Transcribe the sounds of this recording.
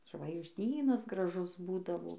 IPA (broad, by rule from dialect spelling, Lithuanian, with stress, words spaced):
ʒʋɐɪɡʒʲˈdʲiːnɐs ɡrɐˈʒʊs ˈbuːdɐʋoː